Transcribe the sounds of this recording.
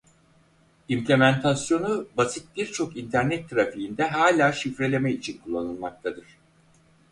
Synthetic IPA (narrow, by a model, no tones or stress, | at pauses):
implʲemænt̪ʰasjo̞nubasit̪̚biɾt͡ʃʰo̞kint̪ʰæɾnɛt̪ʰːɾafiind̪ɛɦaːlʲaːʃifɾe̞lʲe̞mɛit͡ʃʰinkʰulˠːanɯlˠmak̚t̪ʰad̪ɯɾ̝̥